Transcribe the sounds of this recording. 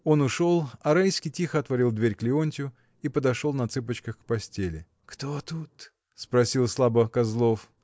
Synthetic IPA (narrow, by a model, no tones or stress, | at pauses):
o̞nʊʂo̞lˠɐɾajskʲɪjtʲixəɐt̪vɐɾʲilˠd̪vʲeɾʲklʲɪonʲtʲʊ | ipəd̪ɐʂo̞lˠnɐt̪sɨp̬ət͡ɕkəxkpɐsʲtʲelʲɪ̰ | kt̪ot̪ut̪ | spɾɐsʲilˠslˠabəkɐzlˠo̞f